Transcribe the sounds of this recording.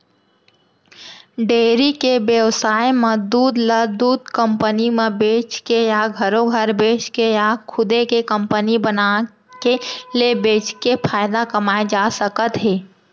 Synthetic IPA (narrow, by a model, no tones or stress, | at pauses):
ɖeːɾikebjəwsaːemed̪uːd̪ləd̪uːd̪kə̃mpənimebeːt͡ʃkejaɡʱəɾõɡʱəɾbeːt͡ʃkejakʰʊd̪ekekə̃mpənibəna | kelebeːt͡ʃkepʰaːjd̪akəmaːed͡ʒasəkət̪ɦeː